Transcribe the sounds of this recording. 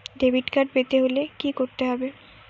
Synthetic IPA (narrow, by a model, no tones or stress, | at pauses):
ɖebʱiʈkaʈ̚bet̪eɦolekikoɾt̪eɦɔbe